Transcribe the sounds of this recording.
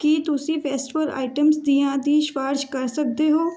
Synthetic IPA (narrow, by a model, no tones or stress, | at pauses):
kit̪ʊsifeːsʈʋəɾa̰ːɪʈəmsd̪ijãd̪iːʃʋaːɾd͡ʒkɐɾsɐk̚d̪eɦoː